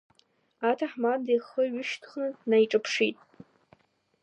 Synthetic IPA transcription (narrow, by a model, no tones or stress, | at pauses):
atʰaħmadeχəɥʊʃtʰχnɨtnajʈ͡ʂʼɨpʰʂitʼ